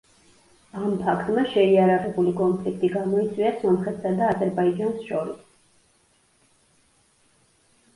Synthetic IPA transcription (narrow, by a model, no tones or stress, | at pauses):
ampʰakʰt̪ʼmaʃɛiaɾaʁɛbulikʼɔnpʰlikʰt̪ʼiɡamɔit̪sʼwiasɔmχɛt̪sad̪aːzɛɾbaid͡ʒansʃɔɾis